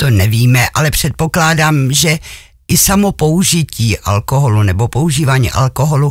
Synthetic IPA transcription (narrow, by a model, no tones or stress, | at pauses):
t̪o̞nɛviːmɛʔalɛpr̝̥ɛt̪̚po̞klaːdaːmʒɛ | ʔɪsamopo̞uʒɪciːʔa̰lko̞ɦo̞lunɛbo̞po̞uʒiːvaːɲḭːʔa̰lkoɦo̞lu